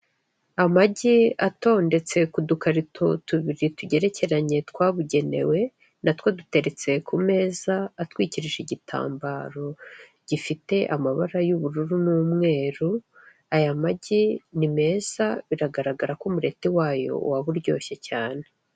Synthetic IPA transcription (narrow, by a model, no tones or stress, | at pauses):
amaɟiato̞ːnde̞t͡se̞kudukaɾitʰotuβiɾituɟe̞ɾe̞ce̞ɾaɲe̞tkwaːβuɟe̞ne̞̰we̞ | natwadute̞ɾe̞t͡se̞kʰume̞ːzaːtwiːciɾiʒiɟitʰa̰ːmbaɾo̞ | ɟ̥ifite̞ʔamaβaɾajuβuɾuɾunuːmŋe̞ːɾu | ajamaɟinime̞ːz̥aβiɾaɡaɾaɡaɾakumuɾe̞tiwaːjo̞̰ṵwaβuɾɟo̞̰ːçe̞caːne̞